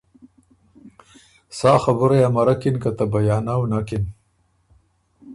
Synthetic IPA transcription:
saːxabʊɾajamɐɾakinkat̪abajaːnawnakin

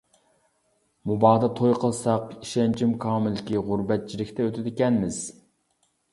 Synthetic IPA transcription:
mubɑːd̪ɑt̪ʰojqʰəlˠsɑqiʃɛnt͡ʃʰimkʰɑːmɪlkʲiʁʊɾbɛt̪̚t͡ʃʰilɪkʲt̪ɛøt̪ʰɪd̪ɪkʲɛnmɪz̥

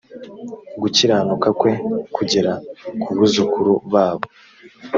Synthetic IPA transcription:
ɡuciɾaːnukakwe̞kʰuɟiɾakʰuβuzukuɾuβaːβo

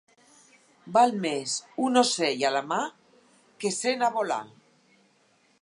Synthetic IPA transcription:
balmesunosejalama | kesenaβola̰

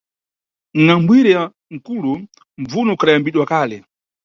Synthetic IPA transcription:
ŋ̩ŋambwiɾɛa | ŋ̩kulu | ɱvunɔkʰaɗajambiɗwakaːlɛ

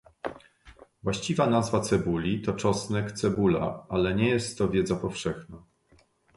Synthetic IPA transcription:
vwaɕt͡ɕivanazvat̪sɛbulʲit̪ɔt͡ʂɔsnɛkt̪sɛbula̰alɛɲɛjɛst̪ːɔvʲjɛd̪zapɔfʂɛxna

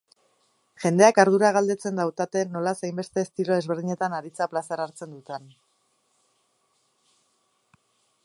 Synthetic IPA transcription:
ʝe̞nd̪e̞akaɾðuɾaɣald̪e̞t͡se̞nd̪awt̪at̪e̞nːo̞lasejmbe̞st̪e̞ːst̪iɾo̞e̞zβe̞ɾðiɲe̞t̪anaɾit͡saplasaɾaɾt͡se̞nd̪ut̪en

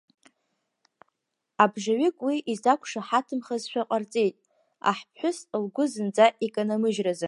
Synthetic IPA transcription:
abʐaɥɪkʼwiʔizakʷʰʂaħatʰɨmχazʃᶣaqʼart͡sʼe̞jtʼ | a̰ħpʰħʷᶣʊslɡʷʊzɨnd͡zaʔekʼanamɨʒraza

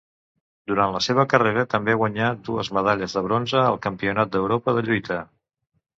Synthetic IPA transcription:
d̪uɾanləseβ̞əkəreɾət̪əmbeaɣwəɲad̪uəzməð̞aʎəzðəβ̞ɾonzəːlˠkəmpiunat̪̚d̪əwɾopəðəʎujt̪ʰə

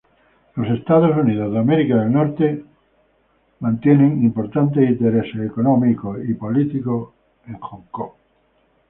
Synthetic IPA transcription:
lo̞se̞st̪aðosunið̞o̞zðeameɾikaðelnoɾt̪e | mãnt̪jeneŋimpoɾt̪ant̪eint̪eɾeseːkonõmikoipolit̪iko | ẽŋxoŋko

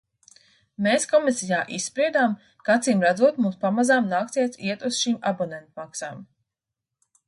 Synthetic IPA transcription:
meːskɔmisijaːʔisːpɾiɛd̪aːm | kat̪siːmɾad̪zuɔt̪mumspamazaːmnaːk̚t̪iɛt̪iɛt̪uz̥ʃiːmabɔnɛnt̪maksaːm

